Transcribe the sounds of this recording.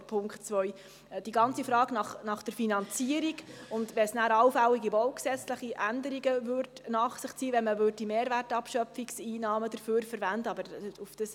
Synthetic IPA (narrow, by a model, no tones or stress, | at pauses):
pʰʊŋkχtt͡sʋœj | d̥iɡɑnt͡sifɾɑːɡnɑχnɑχd̥əɾfinɑnt͡siəɾiɡʊndʋɛsnæːɾɑwfæwiɡiʋɔlksɛt͡sləχiʔændəɾiɡəvøɾdnɑːχsɪχt͡siːʋɛnməvʏːɾddimeːɾvætɑpʃœfiksiːnɑːməd̥əɾføːɾfəɾvændəɑbəɾufd̥əs